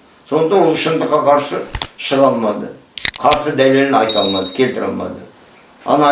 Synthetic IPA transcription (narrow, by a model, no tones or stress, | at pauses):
so̞nət̪ɑnwolˠʃənd̪əqːɑqʰɑɾsəʃəʁɑlˠmɑd̪ə | qʰɑɾsəd̪æle̞lɪnɑjt̪ɑlˠmɑd̪əkʲʰe̞lt̪ɪɾɑ̰lˠmɑ̰d̪ə | ɑ̰nɑ